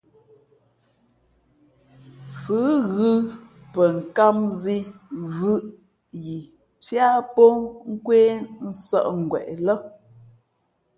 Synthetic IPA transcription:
fʉ˨˦ɣɯ˦pə˨ŋ̩˨ka˦mzi˦vɯ˦ʔ | ji˨ | t͡sja˦pɔ˦ŋ̩˦kweː˦n̩˦sɔ̰˦ʔŋ̩˨ɡwɛ̰˨ʔlɔ˦

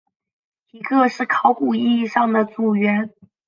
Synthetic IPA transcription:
i˧˨˩kʰɤ˥˧ʂɻ̩˥˩kʰɑ˧˥ʊku˨˩i˥˧i˥˧ʂɑ˥˩ŋd̪ə˩t͡su˨˩ɥɛ˧˥n

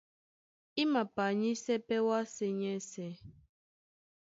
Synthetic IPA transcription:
i˦ma˨pa˨ɲi˦sɛ˦pɛ˦wa˦se˦ɲɛ˦sɛ˨

